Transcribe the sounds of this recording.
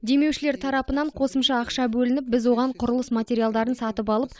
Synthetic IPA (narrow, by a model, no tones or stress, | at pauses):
d̪e̞me̞wʃɪle̞ɾt̪ʰɑɾɑpənɑɴqʰo̞səmʃɑːqʃɑbɵlɪnɪp̚bɪzwo̞ʁɑɴqʰʊɾəlˠəsmat̪ʲe̞ɾijalˠd̪ɑɾənsɑt̪əpɑlˠəp